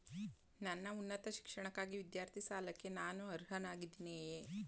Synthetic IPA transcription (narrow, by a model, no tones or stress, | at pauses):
nanːaunːət̪ɐʃi̥kʂəɳ̃ɐkaɡiʋid̪jaːɾt̪ʰisaːlɐkenaːnuɐɾɦɐnaɡid̪ineje